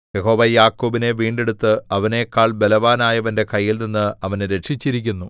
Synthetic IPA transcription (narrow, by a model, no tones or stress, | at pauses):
je̞ɦo̞ːʋɐjaːkːuːbine̞ʋiːɳɖeɽut̪ːɨɐʋɐne̞kːaːɭbe̞lɐʋaːnaːjɐʋɐnde̞kɐjːilninːɨɐʋɐnɾe̞ʈʂit͡ɕːiɾikʲːunːu